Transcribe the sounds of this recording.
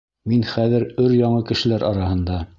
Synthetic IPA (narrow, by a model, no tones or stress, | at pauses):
minχæðɘɾɵɾjɑɴɤkɘ̆ʃɘ̆læɾʔɑɾɑhɤ̆nd̪ɑ